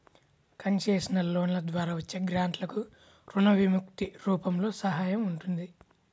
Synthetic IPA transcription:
kɐnt͡ʃe̞ːsinɐlo̞ːnlɐd̪ʋaːɾaːʋɐt͡ʃːeːɡɾaːɳʈlɐku | ɾunɐʋimuk̚t̪iɾuːpɐmlo̞ːsɐɦaːjɐmuɳʈund̪i

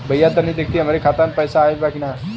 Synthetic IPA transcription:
bəjːat̪ːaniːd̪ek̚ʰt̪iːamaɾekʰat̪ãnt̪pəjsaːelbakina

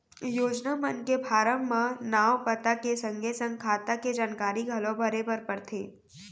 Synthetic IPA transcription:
joːd͡ʒnamənkebʱaːɾəmmãnaːʋpət̪akesə̃ŋɡʱesə̃ŋɡ̚kʰaːt̪aked͡ʒaːnkaːɾiɡʱɐlõbʱɐɾepəɾpɐɽt̪ʰḛː

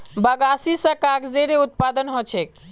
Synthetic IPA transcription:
bəɡasisə̃kakd͡ʒeɾeut̪̚pad̪ənɦot͡ʃʰek

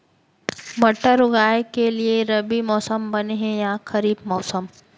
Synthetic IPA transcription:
bɐʈːəɾʊɡaːekelieɾɐbimɔːsəmbɐneɦɛ̃jaxɐɾiːbmɔːsəm

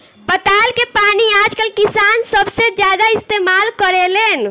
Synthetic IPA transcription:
pət̪alkepaniad͡ʒkəlkisansəbsed͡ʒjad̪aist̪emalkəɾelen

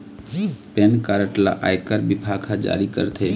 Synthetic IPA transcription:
penkaɾəʈla̰ʔa̰jkəɾbibʱaɡʰad͡ʒa̰ɾikə̰ɾt̪ʰe

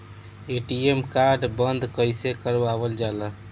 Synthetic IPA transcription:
eʈiemkaɾɖbənd̪ʱkəjsekəɾʋabəld͡ʒalə

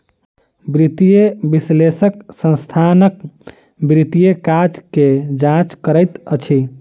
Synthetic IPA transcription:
bɾit̪ijebislesəksə̃nst̪ʰanək | bɾit̪ijekad͡ʒked͡ʒãt͡ʃkəɾəɪt̪ət͡ʃʰi

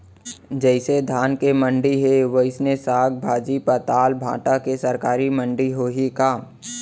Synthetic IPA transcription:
d͡ʒɛɪsed̪ʱaːnkemə̃ɳɖiɦeʋəɪsnesaːɡ̚bʱaːd͡ʒipət̪aːlbʱã̰ːʈakesɐɾkaːɾimə̃ɳɖiɦoɦikaː

